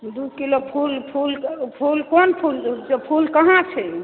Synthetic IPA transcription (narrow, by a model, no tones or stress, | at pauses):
d̪ukilopʰulpʰulpʰulkonpʰuld͡ʒepʰulkəɦãt͡ʃʰɛ